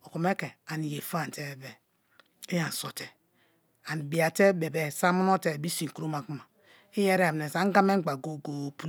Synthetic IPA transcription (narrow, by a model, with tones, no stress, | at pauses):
o˨ku˨me˦ke˨a˨ni˨je˨fa˦˨n˨te˦˨be˨ | e˦ja˨n˨so˨te̥˨ | a˨n˨bi˨a˨te˦be˨bɛ˦sa˦mu˦no˦te˦˨bi˦si˨ŋ˨ku˦o˦ma˨ku˦ma˨ | i˦je˦ɾe˦a˨m˨ne˨sa˦ŋ˦ɡa˦me˦ɡ͡ba˨ɡo˨ɡo˨pu˦